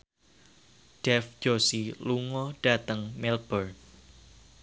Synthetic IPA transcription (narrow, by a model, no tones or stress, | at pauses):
ɖ̥ɛfd͡ʒ̥osiluŋɔɖ̥a̤t̪əŋmɪlb̥ər